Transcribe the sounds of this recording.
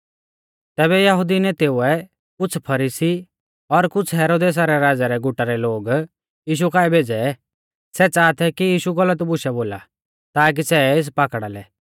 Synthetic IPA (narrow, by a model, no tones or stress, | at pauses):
t̪ɛːβɛjɐɦʊd̪inɛt̪eːuɛ | kʊt͡sʰpʰɐɾisi | ɔɾkʊt͡sʰɦɛːɾoːd̪eːs̬aɾɛɾaːd͡zaɾɛɡʊʈaɾɛloːɡ | jiːʃ̬ukaːɛbʱeːd͡zɛ | sɛt͡saːt̪ʰɛkijiːʃuɡɐlət̪bʊʃɛboːla̰ | t̪aːk̬isɛɪs̬paːkɽalɛ